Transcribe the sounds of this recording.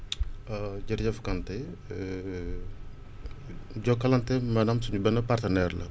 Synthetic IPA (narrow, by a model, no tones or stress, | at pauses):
ɐɟɐɾɟɐfkɐntɛ | ɟɔkɐlɐntɛmɐnɐmsuɲubɛnːɐpartɐnɛrlɐ̰